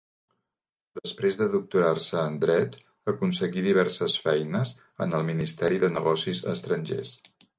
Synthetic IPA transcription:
d̪̥əspɾezðəðuk̚t̪uɾarsəːnd̪ɾɛt̪ | əkunsəɣiðiβ̞ɛrsəsfɛjnəz | ənəlˠminist̪ɛɾiðənəɣɔsizə̰st̪ɾənʲʒḛs

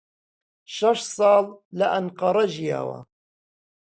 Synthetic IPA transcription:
ʃɑʃsˤɑːllaʔanqɑɾˤɑd͡ʒja̰ːwa̰

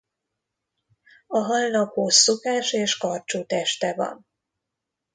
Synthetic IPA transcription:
ɒɦɒlnɒkhosːokaːʃeːʃkɒrt͡ʃoːt̪ɛʃt̪ɛvɒ̰n

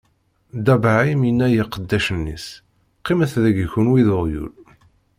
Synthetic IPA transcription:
d̪æbaʕimjinːæjiqəd̪ːæʃənːḭs | qːiməθðæɡçunwiðʊʁjṵl

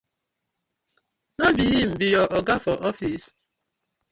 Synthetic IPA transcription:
nɔbijim̩bijɔʔɔɡafɔʔɔfis

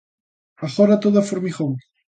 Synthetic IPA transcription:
aɣoɾat̪oðafoɾmiɣow

